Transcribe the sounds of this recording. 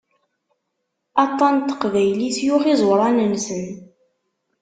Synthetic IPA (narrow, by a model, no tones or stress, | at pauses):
ɑt̪ˤːɑnt̪ːə̥qvæjlisjuʁizˤwɾˤɑnənsən